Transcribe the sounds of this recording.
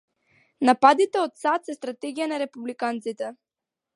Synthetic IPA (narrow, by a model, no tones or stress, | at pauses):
napad̪it̪ɛot̪sat̪sɛst̪ɾat̪ɛɡijanaɾɛpublikant̪sit̪ɛ